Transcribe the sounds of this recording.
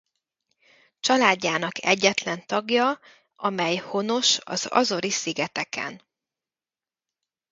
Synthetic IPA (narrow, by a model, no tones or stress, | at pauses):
t͡ʃɒlaːɟːaːnɒkʰɛɟːɛt̪lɛnt̪ɒɡjɒ | ɒmɛjho̞no̞ʃɒ̰z̥ɒ̰zo̞ɾisiɡɛt̪ɛkʰɛ̰n